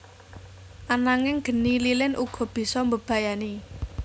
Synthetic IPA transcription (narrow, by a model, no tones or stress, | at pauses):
ʔanaŋɪŋɡ̥ə̤nililɪnʔuɡ̥ɔ̤b̥i̤sɔmbəb̥ä̤jani